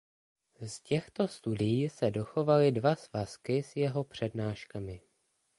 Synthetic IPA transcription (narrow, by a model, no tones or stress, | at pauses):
scɛxt̪o̞st̪udɪjiːsɛdo̞xo̞valɪdvasvaskɪsjɛɦo̞pr̝̥ɛdnaːʃkamɪ